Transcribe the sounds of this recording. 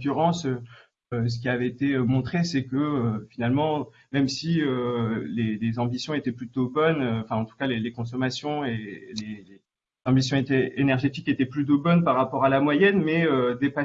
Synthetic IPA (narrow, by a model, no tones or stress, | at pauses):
kyʁɑ̃sø | øs̬ə̥kʲiavɛet̪eømɔ̃t̪χesɛkəøfinalmɑ̃ | mɛmsiølelezɑ̃bisjɔ̃et̪ɛplyt̪obɔnøɑ̃fɛ̃ɑ̃t̪u̥kalelekɔ̃sɔmasjɔ̃elele | zɑ̃bisjɔ̃et̪ɛenɛʁʒet̪iket̪ɛplyt̪̬obɔnpaʁːapɔʁalamwajɛnmɛød̪epa